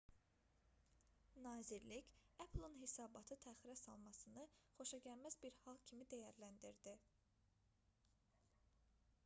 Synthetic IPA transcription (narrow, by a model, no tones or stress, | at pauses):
nɑːziɾlicæpʰlˠɯnɦesɑːbɑt̪ʰɯt̪ʰæːχiɾæsɑ̰lˠmɑsɯnɯχo̞ʃɑɟælmæzbiɾhɑlˠcʰimid̪æjæɾlænd̪iɾd̪i